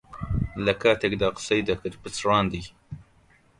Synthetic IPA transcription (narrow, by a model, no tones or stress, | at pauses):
lɐkʰaːt̪ʰekd̪aːqə̥sɐjd̪ɐkɨɾpɨt͡sɾɑːnd̪iː